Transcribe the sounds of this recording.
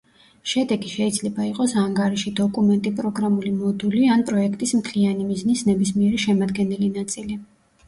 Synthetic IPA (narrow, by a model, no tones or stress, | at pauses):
ʃɛd̪ɛɡiʃɛid̪zlɛbaiqʼɔsaŋɡaɾiʃid̪ɔkʼumɛnt̪ʼipʼɾɔɡɾamulimɔd̪ulianpʼɾɔɛkʰt̪ʼismkʰlianimiznisnɛbismiɛɾiʃɛmad̪ɡɛnɛlinat̪sʼili